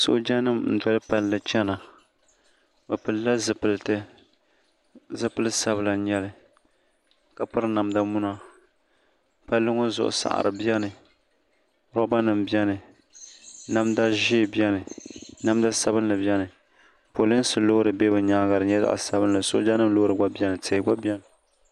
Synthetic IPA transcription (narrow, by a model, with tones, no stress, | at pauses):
so̰˦d͡ʒa˦nɨ˦mn̩˨dɔ˦lɨ˦pa˦lːɨ˨t͡ʃɛ˦na˨ | bɨ˨pɨ˨lla˦zɨ˨pɨ˨lɨ˨tɨ˦ | zɨ˦pɨ˦lɨ˦sa˦bɨ˨la˨ɲɛ˦lɨ˦ | ka˨pɨ˦ɾɨ˦na˨mda˦mu˦na˦ | pa˦lːɨ˦ŋo˦zʊ̰˨ʔʊ̰˨sa̰˨ʔa̰˨ɾɨ̰˨bjɛ˦nɨ˨ | ɾɔ˦ba˦nɨ˨mbjɛ˦nɨ˨ | na˦mda˦ʒi˦˨bjɛ˦nɨ˨na˦mda˦sa˦bɨ˦n˦lɨ˨bjɛ˦nɨ˨ | po˨lɨ˦sɨ˨lo˦ɾɨ˨be˦bɨ˨ɲa˨˦ɡa˨ɾɨ˨ɲɛ˦za̰˨ʔa̰˨sa˦bɨ˦nlɨ˨so̰˦ʔd͡ʒa˦nɨ˦lo˦ɾɨ˨ɡa˦bɛ˦nɨ˨tʰɪ˨ɡa˦bi˦ɛ˦nɨ˨